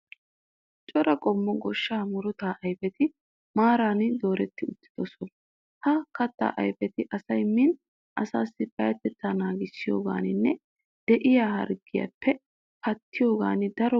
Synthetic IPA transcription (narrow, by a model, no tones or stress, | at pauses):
t͡ʃʼɔɾɐkʼɔmːɔɡɔʃːaːmʊɾɔt̪aːʔɐjpɛt̪ɪ | maːɾaːnɪd̪o̞ːɾɛt̪ːɪʊt̪ːɪ̥d̪̥ɔsɔn | hɐkɐt̪ːa̰ːʔɐ̰jpɛt̪ɪʔɐsɐjmɪn | ʔɐsaːsːɪpɐjɐt̪ːɛt̪ːaːnaːɡɪsːɪjo̞̰ːɡa̰ːnɪnːɛ | d̪̥ɛʔɪjaːhɐ̰ɾɡɪjɐ̰pːɛ | kɐt̪ːɪjo̞ːɡa̰ːnɪd̪ɐɾɔ